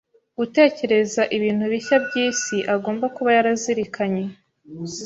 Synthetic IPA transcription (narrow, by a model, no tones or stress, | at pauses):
ɡute̞ːce̞ɾe̞zaʔiβiːnhuβiçabɟiːsiʔaɡo̞ːmbakuβajaɾaziɾikʰaɲe̞